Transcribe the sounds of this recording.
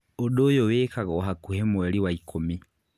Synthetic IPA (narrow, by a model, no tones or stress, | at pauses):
oɗojoweːkaɣɔːɦakuhɛmoɛɾiwaikʰomi